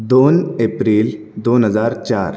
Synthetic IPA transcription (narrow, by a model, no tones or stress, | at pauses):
d̪oːneːpɾiːl | d̪oːnɦəzaːɾt͡ʃaːɾ